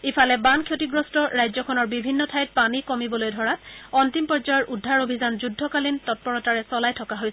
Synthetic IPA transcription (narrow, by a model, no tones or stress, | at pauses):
ipʰalɛbankʰjotiɡɹɔstɔɹajzɔkʰɔnɔɹbibʱinːɔtʰajt̚panikɔmibɔlojdʱɔɹatɔntimpɔɹzajɔɹʔudʱːaɹobʱizanzudʱɔkalintɔt̚pɔɹɔtaɹɛsɔlajtʰɔkaɦojs